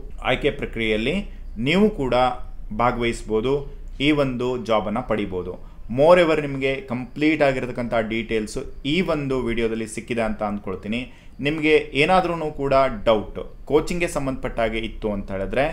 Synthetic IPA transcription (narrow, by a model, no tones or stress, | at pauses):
a̰ːjkepɾɐkɾijɛjɐlːi | niːʋukuːɽɐbʱaːɡɐʋɐjisboːd̪u | iːʋo̞nd̪ud͡ʒaːbɐnːɐpɐɽibo̞ːd̪ṵ | moːɾeʋɐɾnimɐɡe̞kɐmpliːʈaːɡiɾt̪ɐkːɐnt̪ʰɐɦɐɖiːʈeːlsuiːʋo̞nd̪uʋiːɽijoːd̪ɐlːisikːid̪eɐnt̪ɐɐnd̪̚koɭt̪iːni | nimɐɡe̞ʔeːnaːd̪ɾunuːkuːɽɐɖɐwʈko̞ːt͡ʃiŋɡe̞sɐmbɐnd̪ʱɐpɐʈːaːɡeit̪ːuɐnt̪ɐeːɭed̪ɾe̞